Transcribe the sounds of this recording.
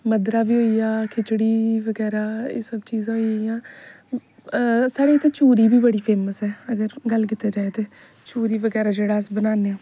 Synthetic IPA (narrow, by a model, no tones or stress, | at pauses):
məd̪ɾaːbiːɦoːiːjaːkʰɪt͡ʃɽiːʋəɡɛːɾaːḛːsəbt͡ʃiːzãːɦioːijãː | saːɽeːt̪ʰẽːt͡ʃuːɾiːbiːbəɽiːpʰeːməsɛːəɡəɾɡəlkɪt̪ːeːd͡ʒaːet̪eː | t͡ʃuːɾiːʋəɡɛːɾaːd͡ʒeːɽaːsbənaːneaː